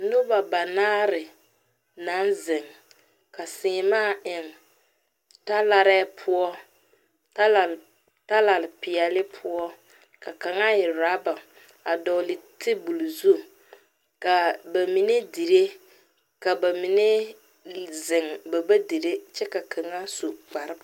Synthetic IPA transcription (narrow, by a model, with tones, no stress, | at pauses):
nʊ˦ba˨ba˨naː˦ɾɪ˨ | na˨˦nzɪ˨ŋ | ka˨sɪː˨maː˦˨ʔɪ˨ŋ | ta˦la˦ɾɛː˦pʰʊ˦ɔ˦ | ta˦la˨ | ta˦la˨lɪ˨pɪ˨ɛ˨lɪ˦pʰʊ˦ɔ˦ | ka˨ka˨ŋa˦jɪ˨ɾa˨˦ba˨ | a˨dɔ˨lɪ˨tʰɪ˦bu˨lzu˦˨ | ka˨ba˨mi˨ne˦di˨ɾe˦ | ka˨ba˨mi˨ne˦ | zɪ˨ŋba˨ba˦di˨ɾe˦t͡ʃɛ˦ka˨kʰa˨ŋa˦su˨k͡pa˨ɾɪ˦b